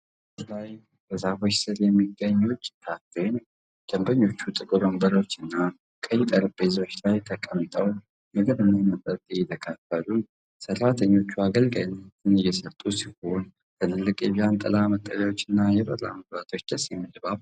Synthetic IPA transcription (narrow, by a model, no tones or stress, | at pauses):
laj | bəzafo̞t͡ʃːsɨɾjɛmːiɡːəɲːwut͡ʃːt̪ʰat̪ːejn | d̪̥əmbəɲːo̞t͡ʃːut̪ʼɨkʼɨɾombəɾo̞t͡ʃːɨnːa | kʼəjɪt̪ʼəɾb̥ezo̞t͡ʃːlajt̪ʰəkʼəmt̪ʼəw | mɨɡɨβɨnːamət̪ʼət̪ʼjɛt̪ʰəkʰafːəlun | sərːat̪ʰəɲːo̞t͡ʃːuaɡəlɡəjnt̪ɨnɨjːɛsət̪ʼusiho̞n | t̪ʰɨlɨlːɨkʼjɛβjant̪ʼə̰lamət̪ʼːəljawo̞t͡ʃːɨnːajɛbəra̰məblat̪ʰo̞t͡ʃːd̪əsimːɨd̪baβ